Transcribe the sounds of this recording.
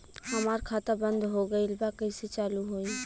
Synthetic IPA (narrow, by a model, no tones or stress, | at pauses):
həmaːɾkʰaːt̪abə̃nd̪ʱɦoɡəilbakəɪset͡ʃaːluɦoːi